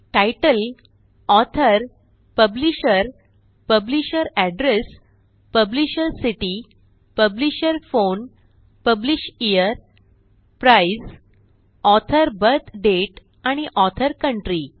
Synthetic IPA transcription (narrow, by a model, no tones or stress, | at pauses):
ʈajʈəl | ɔt̪ʰəɾ | pəbliɕəɾ | pəbliɕəɾæɖɾes | pəbliɕəɾsiʈi | pəbliɕəɾfon | pəbliɕijəɾ | pɾaiz | ɔt̪ʰəɾbəɾt̪ʰɖeʈ | aɽ̃iʔɔt̪ʰəɾkəɳʈɾi